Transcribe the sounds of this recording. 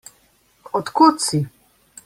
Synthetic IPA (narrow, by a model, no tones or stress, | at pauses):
ɔt̪kut̪si